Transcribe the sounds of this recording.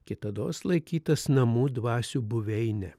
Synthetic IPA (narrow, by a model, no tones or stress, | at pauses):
kʲɪt̪ɐd̪oːslˠɐɪkʲiːt̪ɐsnɐmuːd̪ʋɑːsʲuːbʊʋʲɛɪnʲɛ